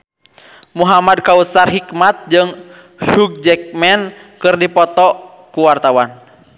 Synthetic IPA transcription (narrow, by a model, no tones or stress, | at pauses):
muɦamad̚kaut̪sarɦikmat̪̚d͡ʒɨŋ | huɡ̚d͡ʒɛk̚mɛnkɨrdipɔt̪ɔ | kuwart̪awan